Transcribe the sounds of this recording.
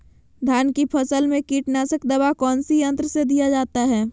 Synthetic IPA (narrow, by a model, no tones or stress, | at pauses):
d̪ʱaːnkipʰəsəlmẽkiːʈnaːsəkd̪ɐbakɔːnsijə̃nt̪ɾəsed̪ijad͡ʒaːt̪aɦɛː